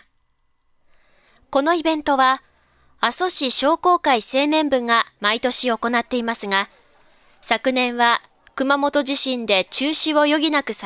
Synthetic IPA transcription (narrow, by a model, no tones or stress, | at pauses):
ko̞no̞ibẽ̞nt̪o̞βa | aso̞ɕiɕo̞ːko̞ːkaise̞ːnẽ̞mbɯ̟̃ŋɡamait̪o̞ɕio̞ko̞nat̪ːe̞imasɨɡa | sakɯ̟nẽ̞ɰ̃βa | kɯ̟mamo̞t̪o̞ʑiɕĩnd̪e̞t͡ɕɨːɕiβo̞jo̞ɡʲinakɯ̟sa